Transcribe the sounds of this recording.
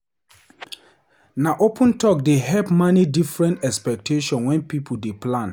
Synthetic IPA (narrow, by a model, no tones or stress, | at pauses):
naʔopʰũntʰɔk̚deɦɛpmanidifɹɛ̃ntɛkspɛk̚tʰeʃɔ̃nwɛ̃npipʰudeplãn